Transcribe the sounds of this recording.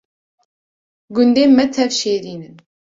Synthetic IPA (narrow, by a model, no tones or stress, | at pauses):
ɡʊnd̪eːmɛt̪ʰɛvʃeːɾiːnɨn